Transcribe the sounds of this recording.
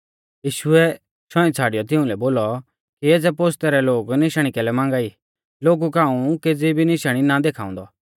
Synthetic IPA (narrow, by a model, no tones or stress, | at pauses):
jiːʃʊɛ | ʃɔ̃ĩt͡sʰaːɽɪjɔt̪̬ɪʊ̃lɛboːlɔ | kieːd͡zɛpoːst̪ɛɾɛloːɡnɪʃəɽ̃ikɛlɛmãːŋɡaːi | loːɡukaːũked͡zibʱinɪʃɽ̃inad̪eːkʰaːʊ̃nd̪ɔ